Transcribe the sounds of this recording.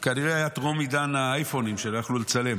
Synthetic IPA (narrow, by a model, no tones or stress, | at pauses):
kaniʁeajatʁomidanaajfo̞nimʃelojaχlulet͡sale̞m